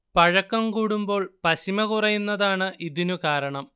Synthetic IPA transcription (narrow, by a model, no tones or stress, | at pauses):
pɐɻɐkːɐmkuːɽumbo̞ːɭpɐɕimɐkurɐjunːɐðaːɳɨʔiðinukaːɾɐɳɐm